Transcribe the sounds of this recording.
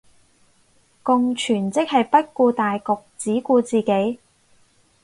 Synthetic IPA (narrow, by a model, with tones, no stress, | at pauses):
kʊ˨ŋt͡ʃʰyː˨˩nt͡sɪ˥k̚hɐ˨jpɐ˥t̚kuː˧t̪aː˨jkɔ˨k̚t͡siː˨˥kuː˧t͡siː˨ke˨˥j